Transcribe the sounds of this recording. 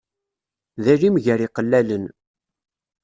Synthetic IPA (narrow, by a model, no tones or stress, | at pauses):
ðælimʝæɾiqəlːælən